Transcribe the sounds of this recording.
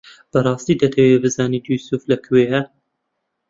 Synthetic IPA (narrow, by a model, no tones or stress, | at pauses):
b̥ɐrˤɑːst̪iːd̪ɐt̪ʰɐwebɨzaːnid̪usuflɐkʰweːhɐ